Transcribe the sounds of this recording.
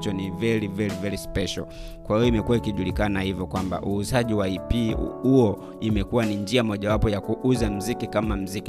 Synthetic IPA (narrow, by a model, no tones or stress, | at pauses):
t͡ʃɔnivɛɾivɛɾivɛɾispɛʃa̰l | kwahijɔimɛkuwaikiʄulikanahivjɔkwamba̰ʔuːzaʄiwaipihuɔ | imɛkuwanind͡ʒiamɔʄawapɔjakuʔuzam̩zikikamam̩ziki